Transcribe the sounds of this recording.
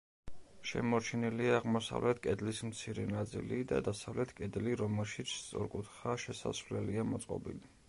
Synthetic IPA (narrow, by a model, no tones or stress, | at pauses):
ʃɛ̰mɔɾt͡ʃʰɛniliaːʁmɔsa̰vlɛt̪ʰkʼɛd̪lismt̪sʰiɾɛnat̪sʼḭlid̪a̰d̪asavlɛt̪ʰkʼɛd̪liɾɔmɛlʃit̪sʰst̪sʼɔ̰ɾkʼut̪ʰχaʃɛsa̰svlɛliamɔt̪sʼqʼɔ̰bḭli